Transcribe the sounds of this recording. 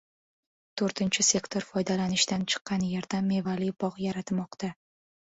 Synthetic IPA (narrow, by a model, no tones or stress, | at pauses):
t̪ʰoɾt̪ʰɪnt͡ʃʰɪse̞kt̪ʰo̞ɾfɒjd̪alanɪʃt̪ant͡ʃʰɨ̥qːɑnje̞ɾd̪amːe̞valɪbɒqjaɾat̪mɒqt̪a